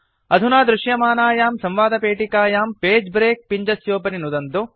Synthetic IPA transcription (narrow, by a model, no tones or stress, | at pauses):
ɐd̪ʱunaːd̪ɾuʂjɐmaːnaːjaːmsɐmʋaːd̪ɐpeːʈikaːjaːmpeːd͡ʒbɾeːk̚piɲd͡ʒɐsjoːpɐninud̪ɐnt̪u